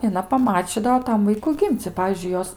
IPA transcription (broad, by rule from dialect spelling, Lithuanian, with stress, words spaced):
ɪ ɐˈnɐ pɐˈmɑːt͡ʃʲiːdɐʋoː ˈtɐm ˈʋɐɪkʊ ˈɡʲɪmʲt͡sʲ ɪ ˈpɑːʋʲiːzʲd͡ʒʲʊɪ ˈjoːs